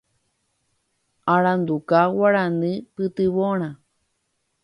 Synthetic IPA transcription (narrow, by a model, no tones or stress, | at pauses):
aɺand̪ukawaɾanɨpɨt̪ɨβoɽ̃ã